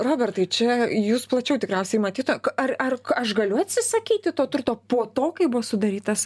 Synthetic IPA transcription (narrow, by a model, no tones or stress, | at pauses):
roːbʲɛrt̪ɐɪt͡ʃʲɛjuːsplˠɐt͡ʃʲɛʊt̪ʲɪkɾʲɛʊsʲɛɪmɐt̪ʲiːt̪ʊmkɐrɐrɐʃɡɐlʲʊɐt̪ʲsʲɪsɐkʲiːt̪ʲɪt̪oːt̪ʊrt̪oːpoːt̪oːkɐɪbʊʋɔsʊd̪ɐɾʲiːt̪ɐs